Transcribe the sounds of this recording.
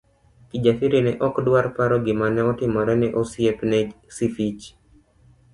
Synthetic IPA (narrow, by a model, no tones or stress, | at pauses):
kid͡ʒafiɾinɛʔɔkdwaɾpaɾɔɡimanɛɔtimɔɾɛnɛʔosiɛpnɛsifit͡ʃ